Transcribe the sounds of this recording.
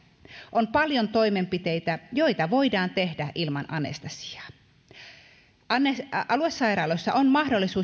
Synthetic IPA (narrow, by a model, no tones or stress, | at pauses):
ʔompɑljont̪oime̞mpit̪e̞jt̪æjo̞jt̪ɑʋo̞idɑːnt̪e̞hdæʔilmɑnɑnḛst̪ɑsi̥ɑ̥ | ɑneɑlue̞sːɑjrɑːlojsːɑ̰ʔonmɑhdo̞lːisuː